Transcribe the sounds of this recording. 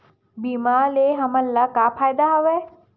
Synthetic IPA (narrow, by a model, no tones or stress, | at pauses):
bimaːleɦɐmɐlːɐkaːpʰaːjd̪aɦɐʋeː